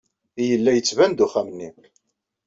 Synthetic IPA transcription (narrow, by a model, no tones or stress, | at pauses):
ijəlːæjət͡sːvænd̪uχæmnːi